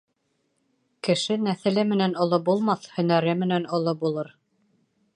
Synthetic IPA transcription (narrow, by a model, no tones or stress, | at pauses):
kɘ̆ʃɘnæθɘ̆lɘmɘ̆nænŏlˠobulˠmɑθhɵ̆næɾɘmɘ̆nænŏlˠɤbulˠɤɾ